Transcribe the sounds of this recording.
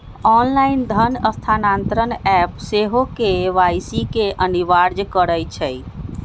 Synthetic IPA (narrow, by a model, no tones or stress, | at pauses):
ɔnlaind̪ʱənəst̪ʰanant̪ɾənɛpseɦokeʋajsikeʔəniʋaɾd͡ʒkəɾəjt͡ʃʰəj